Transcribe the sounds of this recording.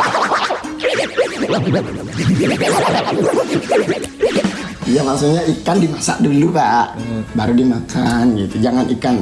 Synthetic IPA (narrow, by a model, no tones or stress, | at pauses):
jamaksuʔɲaikandimasa̰ʔdulupaʔbaɾudimakʰanɡit̪ud͡ʒaŋanikan